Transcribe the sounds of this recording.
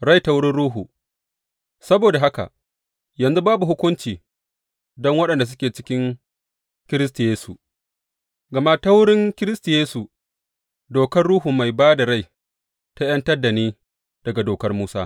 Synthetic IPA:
ɽa˦jta˦wʊ˦ɽɪ˦nɽuː˦ɦuː˨ | sɐ˦boː˨da˨ɦa˦ka̰˨ | jɐ˨nzu˦baː˦bu˨ɦʊ˦kʷʊ˦nt͡ʃiː˨ | dɔ˦ŋwɐ˦ɗɐ˨nda˨s̬ʊ˦kʲeː˨t͡ʃɪ̥˦kʲɪ˦ŋ | kʲɪ˦ɾɪ˦stu˨jeː˦su˨ | ɡɐ˨ma˦ta˦wʊ˦ɽɪ˦ŋkʲɪ˦ɾɪ˦stu˨jeː˦su˨ | doː˨kɐ˦rɽuː˦ɦu˨ma˨jbaː˦da˨ɾa˦˨j | ta˦jɐ˦ntɐ˦rda˨neː˦ | d̥ɐ˨ɡa˨doː˨kɐ˦rmuː˦sa̰ː˦

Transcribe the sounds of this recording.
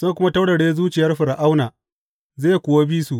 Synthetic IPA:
sʊ˦a˨kʷʊ˦ma˦ta˦wɽɐ˨ɽeː˦zuː˦t͡ʃɪ˨jɐ˦rɸɪ˨ɾa˨ʔa˦wnaː˨ | zeː˦˨jkʷʊː˨wa˦biː˦su˨ʔ

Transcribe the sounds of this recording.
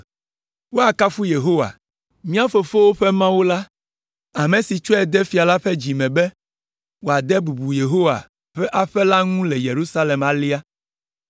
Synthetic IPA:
wo˦a˨ka˦fu˦je˨ɦo˦wa̰˨ | mĩ˦a˦fo˨fo˦wo˦ɸe˦mã˦wu˦la˦ | a˨mẽ˨si˨t͡ʃɔ˦ɛ˨d̪ɛ˦fi˨a˨la˦ɸɛ˦d͡ʑi˨mɛ̃˨bɛ˦ | wo˨a˨d̪ɛ˦bu˨bu˨je˨ɦo˦wa̰˨ | ɸɛ˦ʔa˦ɸɛ˦la˦ŋũ˦lɛ˨je˨ɾu˦sa˦le˨ma˨li˦a˦

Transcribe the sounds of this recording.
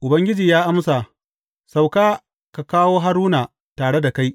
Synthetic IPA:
ʔʊ˨bɐ˦ŋɡʲɪ˦d͡ʒiː˨jaː˦ʔa˦msa˨ | sa˨wkaː˦ | ka˨kaː˦woː˦ɦa˦ɾuː˦naː˨ | taː˨ɽe˦da˨ka˦j

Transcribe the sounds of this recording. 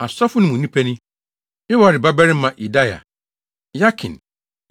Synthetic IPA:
a˨sɔ˦fʊ˦nʊ̃˦mũ˨nĩ˦pʰɛ˦nɪ̃˦ | ɪ˦wa˨ɾɪ˨ba˦ba˦ɾɪ̃˦mã˨ʔi˨da˦ja̰˨ | ja˦kʰɪ̰̃˨n

